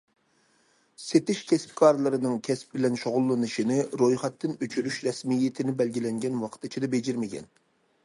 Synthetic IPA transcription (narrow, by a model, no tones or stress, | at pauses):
set̪ɪʃkʲʰɛsp̚kʰɑɾlˠɨɾɨnɨŋkʲʰɛsp̚bɪlɛnʃoʁʊlˠːɨnɨʃinɪɾojχɛt̪ʰːɨnøt͡ʃʰyɾyʃɾɛsmijːɪt̪ʰɪnɪbɛlɡʲilɛŋɡʲɛnwɑqʰt̪ɨt͡ʃʰid̪ɑbed͡ʒɪɾmɪɡʲɛ̰n